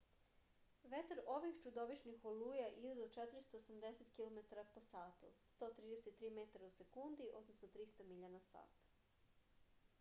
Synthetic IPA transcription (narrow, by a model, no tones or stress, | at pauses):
ʋet̪eɾo̞ʋixt͡ʃud̪o̞ʋiʃnixoluːjaʔid̪ed̪ot͡ʃet̪ɾist̪oosamd̪eset̪kilˠo̞met̪aɾapo̞saːt̪ṵst̪o̞ːt̪ɾiːd̪eset̪ːɾiːmet̪aɾause̞kund̪iʔo̞̰d̪nosnot̪ɾist̪amiʎanasa̰ːt̪